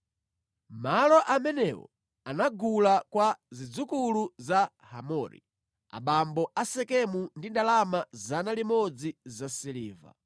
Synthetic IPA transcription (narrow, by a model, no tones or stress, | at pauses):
malɔʔamɛnɛwɔ̰ | anaɡulakwazid͡zukuluza | ha̰mɔɾḭ | a̰ɓambɔasɛkɛmundindalamazanalimɔd͡zizasiliːva̰